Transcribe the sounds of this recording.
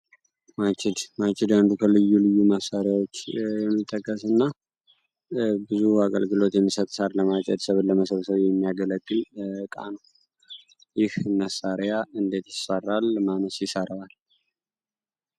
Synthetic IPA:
mat͡ʃʰʼɪd̪mat͡ʃɪd̪and̪ukʰəlɨjːulɨjːuməsːaɾjawot͡ʃːjɛmːit̪ʼːəkʼːəsɨnːa | bɨzuakʼəlɡɨlo̞t̪jɛmːisət̪ʼsaɾləmat͡ʃʼɛd̪səβləməsəβsəβjɛmːijaɡələɡʼːɨlkʼa̰nəw | jɪhməsːaɾjaɨnd̪e̞t̪jɪsərːalmanəsjɪsəɾəwal

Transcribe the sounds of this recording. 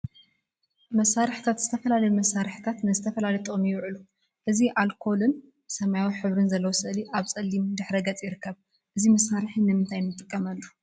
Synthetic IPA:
mɐsaɾɨħt̪ʰat̪zɨt̪ʰɐfɐlalɐjumɐsaɾɨħt̪ʰat̪nɨzɨt̪ʰɐfɐlalɐjt̪ʰʼomjɪwʕɨlu | ʔɨziʔalkʰo̞lɨn | sɐmajawiħɨβɾɨnzɐlːɐwosɨʔliʔaβt͡sʼɐlːimd̪ɨħɾɐɡɐt͡sʼjɪɾɨkʰːɐβ | ʔɨzimɐsaɾɨħinːɨmɨnt̪ʰajnmɨt̪ʼːɨkʼːɐmɐlːu

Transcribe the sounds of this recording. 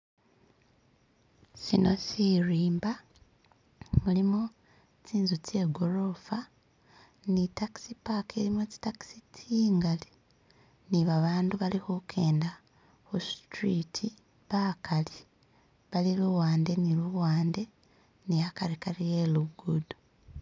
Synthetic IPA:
sino̞siɾiːmba | mulimu | t͡siːnzut͡se̞ːɡoɾo̞fa | nitaki̥sipakʰelimet͡ʃi̥taki̥sit͡sʰiːŋɡali | niβaβaːnduβalixukʰe̞ːnda | xustɾitʰi | βakʰali | βaliluwaːnde̞niluwaːnde̞ | niakaɾikalijeluɡudu̥

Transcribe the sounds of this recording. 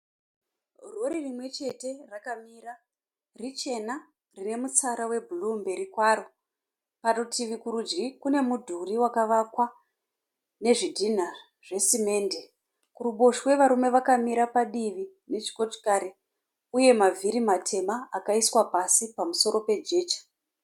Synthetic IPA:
roɾirimwe̞t͡ʃe̞te̞rakamiːɾa | rit͡ʃe̞na | rine̞mut͡saɾawe̞bʱulumbeɾikwaɾo | panotʰiʋikuɾud͡ʒɡikune̞mudʱuriwakaʋakwa | ne̞ʐidʱin̤a | ʐ̥e̞sime̞ːnde | kuruɓoʃwe̞ʋaɾume̞ʋakamiɾapaɗiʋi | ne̞t͡ʃi̥koti̥kaɾe | uje̞mavʱiɾimatʰe̞maːkaiswapasipamuso̞ɾo̞pe̞d͡ʒe̞ːt͡ʃḁ

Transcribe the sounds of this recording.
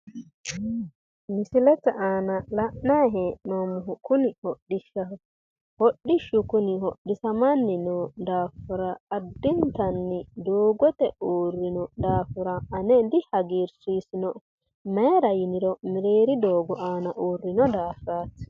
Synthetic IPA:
mɪsɪlɛt͡sːɐʔaːnɐlɐʔnɐjɦeːʔnomʊɦʊkʊnɪhɔɗɪʃɐ | hɔɗːɪʃʊkʊnɪhɔɗɪsɐmanːɪnɔd̪aːfʊɾɐːd̪ːɪnt̪ɐnːɪd̪oːɡɔt̪ɛuːrːɪnɔd̪aːfʊɾɐʔɐnɛd̪ɪhɐɡiːɾsiːsɪnɔ | mɛːɾɐjɪnɪɾɔmɪɾeːɾɪd̪oːɡɔʔaːnɐʔoːrːɪnɔd̪aːfɾaːt

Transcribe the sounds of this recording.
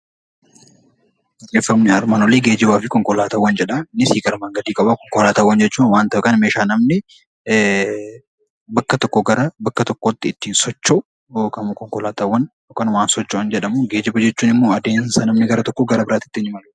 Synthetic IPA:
d͡ʒeːfːɐmnɪɐɾmaːnɔleːɡe̞ːd͡ʒɪbaːfɪkɔŋkɔlaːt̪ɐwːɐnd͡ʒɛᶑɐnɪsiːɡʼɐɾmaːŋɡɐd̪iːkʼɐbakɔŋkɔlaːt̪ɐwːɐnd͡ʒɛt͡ʃːuːnwaːnt̪ɐʔɛkɐnmeːʃaːnɐmnɪ | bɐkːɐt̪ɔkːoɡɐɾɐbɐkːɐt̪ɔkːot̪ːɪːt̪ːiːnsɔt͡ʃːoʔ | kɐmkɔŋkɔlaːt̪ɐwːɐn | okɐnwaːnsɔt͡ʃːoʔːnd͡ʒɛᶑɐmuɡe̞ːd͡ʒɪbɐd͡ʒɛt͡ʃːuːnɪmːoːɐd̪eːnsɐnɐmnɪɡɐɾɐt̪ɔkːoɡɐɾɐbɪɾaːt̪ɪ̥t̪ːɪnɪmɐlʊ

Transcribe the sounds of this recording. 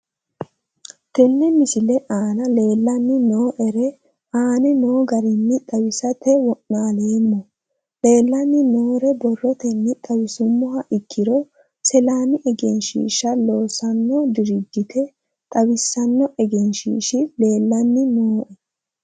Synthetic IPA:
t̪ɛnːɛmɪsɪlɛʔaːnɐle̞ːlːɐnːɪnoːʔɛɾɛ | aːnɛno̞ːɡɐɾɪnːɪt̪ʼɐwɪsɐt̪ɛwɔnːaːleːmːɔ | le̞ːlːɐnːɪnoːɾɛbɔrːɔt̪ɛnːɪt̪ʼɐwɪsʊmːʊɦɐʔɪkːɪɾɔ | sɛlaːnɪʔɛɡɛnʃḭːʃɐlo̞ːsɐnːɔd̪ɪɾɪd̪ːɪt̪ʰɛ | t̪ʼɐwɪsːɐnːɔʔɛɡɛnʃḭːʃɪle̞ːlːɐnːɪnoːʔɛ

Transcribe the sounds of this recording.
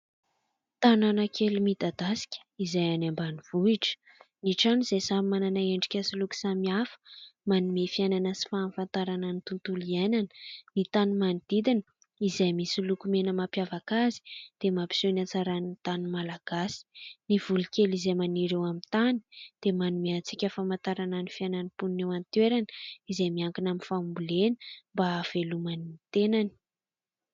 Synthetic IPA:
t̪ananəkʰelimid̪ad̪asi̥kʲə̥izajanambaniv̥uiʈ͡ʂə̥ | niʈ͡ʂanizejsamimananaeɳɖ͡ʐi̥kʲasiluku̥samiafə̥manimefiajnanəsi̥faːnfant̪aɾananit̪unt̪uliananə̥nit̪animanid̪̥id̪inə | izajmisilukumenəmapjavakazi̥d̪̥emapi̥sonat͡saɾaninit̪animalaɡ̥asi̥nivulikʲelizejmaniɾewamint̪ani̥d̪̥emanumeat͡sikʲəfamant̪aɾananifiananipunnewant̪weɾanəizejmiaŋkinaminfambulenə̥mbaːv̥elumanimit̪enani̥

